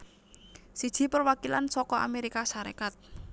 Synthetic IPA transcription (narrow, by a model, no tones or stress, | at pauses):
sid̥ʒ̥i̤pərwakila̰nsɔkɔʔa̰meɾikasaɾḛkat̪̚